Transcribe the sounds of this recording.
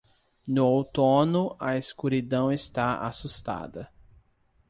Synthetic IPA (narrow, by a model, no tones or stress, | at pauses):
nʊawt̪õnʊʔɐeskuɾid̪ɐ̃w̃est̪aa̰sust̪a̰d̪ɐ